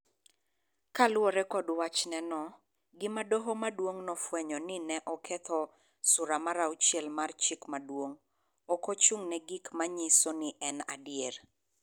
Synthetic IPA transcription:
kalwoɾɛkɔdwat͡ʃnɛnɔ | ɡɪmadoɦomadwoŋnɔfwɛɲɔnɪnɛʔɔkʰɛt̪ʰɔ | sʊɾamaɾaut͡ʃjɛlmart͡ʃikmadwoŋ | ɔkot͡ʃuŋnɛɡikmaɲisonɪʔɛna̰djeɾ

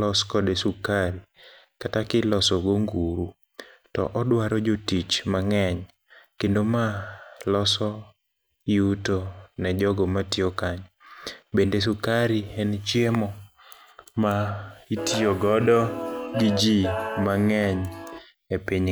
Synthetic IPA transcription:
ɔskɔdesukaɾi | katakɪlɔsɔɡoŋɡuɾu | tɔ̰ʔɔdwaɾɔd͡ʒotit͡ʃmaŋɛɲ | kendomalɔsɔ | iutonɛd͡ʒɔɡɔmatiokaɲbendes̬ukaɾiɛnt͡ʃjemɔ | maitioɡɔdɔɡid͡ʒimaŋɛɲ | epiɲ

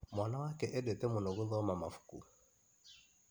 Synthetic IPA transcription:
mwanawakɛʔɛdɛtɛmunɔɣuðɔmamafu̥kṵ

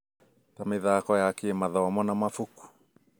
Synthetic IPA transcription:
t̪ameðakoeakiemaðaamonamafuku̥

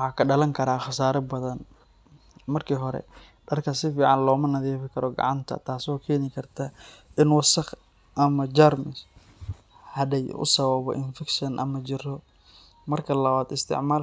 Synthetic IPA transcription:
ħɑːkʰɐɖɐlɐŋkʰɐɾaːχɑsaːɾɐbɐðɐn | mɐrkʰiːɦɔɾɛ̰ | ɖɐrkʰɐsɪfiːʕɑnlɔːmɐnɐðiːfɪkʰɐɾɔɡɑ̰ʕɑnt̪ʰɐ̰t̪ʰaːsɔːkʰɛːnɪkʰɐrt̪ʰaʔɪnwɑsɐχ | ʔɐmɐd͡ʒarmɪs | hɐdɛjʔʊ̰sɐβɐβɔ̰ʔɪnfɛkʃɐnʔɐ̰mɐt͡ʃɪrɔ | mɐrkʰɐlɐβaːd̪ɪst̪ʰɪ̰ʕmaːl

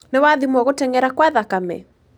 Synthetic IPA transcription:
newaðimwɔɣotɛŋɡɛɾakwaðakamɛ̰

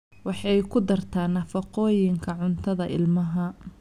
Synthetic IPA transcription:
wɑħɑjkʰʊd̪ɐrt̪ʰaːnːɐfɐqɔːjɪŋkʰɐʕʊnt̪ʰɐðɐʔɪ̰lmɐɦɐ

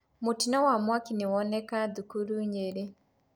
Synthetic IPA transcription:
mʊtinɔwamwakinɪwɔnɛkad̪ukuɾuɲeɾe

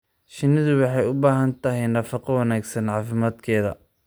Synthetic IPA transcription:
ʃɪnɪðʊwɑħɑjʊbaːɦɐnt̪ʰɐɦɪjnɐfɑqɑwɑnaːɡsɐnʕɑːfɪmaːd̪kʰɛːðɐ̰

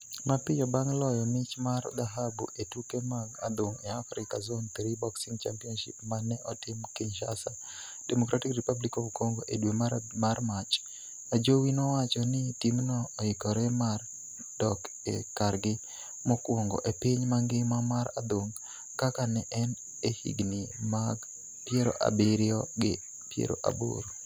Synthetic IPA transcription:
mapɪjɔbaŋlɔjɔmɪt͡ʃmard̪aɦabṵʔetukemaŋa̰d̪oŋɛafɾɪkazont̪ɾibɔksiŋɡt͡ʃampiɔnʃɪ̰pmanɛʔɔtɪmkɪɲʃasa | dɛmokɾʔatikripablikɔvkoŋɡoʔedwemamarmat͡ʃ | ad͡ʒowinɔwat͡ʃɔnɪtimnɔːikɔɾɛmar | d̥ɔk | ḛkarɡɪ | mɔkwɔŋɡɔ̰ʔepiɲmaŋɡɪmamaɾa̰d̪oŋɡ | kakanɛʔɛn | ehḭɡnimaɡ | pjeɾo̰ʔa̰bɪɾɪɔɡɪ̰ | pjḛɾo̰ʔa̰bo̰ɾu

